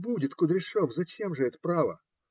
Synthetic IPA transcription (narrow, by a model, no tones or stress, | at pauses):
budʲɪt̪kʊd̪ɾʲɪʂofzɐt͡ɕemʐɨɛt̪ə̥pɾavə̰